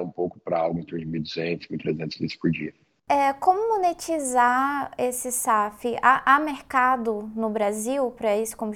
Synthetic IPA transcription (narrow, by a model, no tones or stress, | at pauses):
ũpowkʊ̥pɾɐaɡʊmẽt̪uɾd͡ʒɪmid̪uzẽnt̪ʊsmit̪ɾezẽnt̪ʊ̥zlit̪ʊ̥spoɾd͡ʒiɐ | ɛkõmʊmonet͡ʃizaesɪsafɪʔaʔameɾkad̪ʊnʊbɾaziwpɾɐisʊ̥kõmʊ